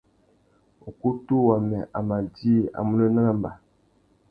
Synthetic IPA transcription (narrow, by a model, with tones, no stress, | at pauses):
o˨ku˦tu˦wa˨mɛ˨ʔa˨ma˨di˦˨a̰˨mu˦lo˦na˦la˦mba˨